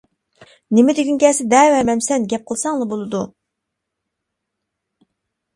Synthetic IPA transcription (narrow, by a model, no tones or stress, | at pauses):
nɪmɪd̪ɪɡʲinkʲɛːsɪd̪ɛːwɛmɛmsɛnɡʲɛp̚qʰəlˠsɑŋlˠɑbolˠɨd̪u